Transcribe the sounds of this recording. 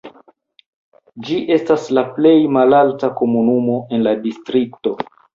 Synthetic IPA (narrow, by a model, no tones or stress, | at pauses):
d͡ʒiʔe̞staslaple̞jmalaltako̞munumo̞e̞nladistɾikto̞